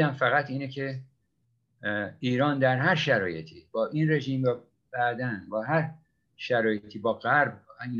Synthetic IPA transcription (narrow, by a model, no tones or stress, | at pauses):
æmfæɣæt̪ʰiːnecʰe̞ | iːɾɒːnd̪æɾɦæɾʃæɾɒːje̞̰t̪ʰiːbɒːʔiːnre̞ʒiːmvæ | b̥æʔd̪ænbɒːɦæɾ | ʃæɾɒːjet̪ʰiːbɒːɣæɾbiːn